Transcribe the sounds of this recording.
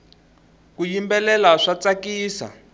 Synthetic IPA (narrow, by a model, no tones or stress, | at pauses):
kujimbɛlɛlaʂat͡sakiːsa̰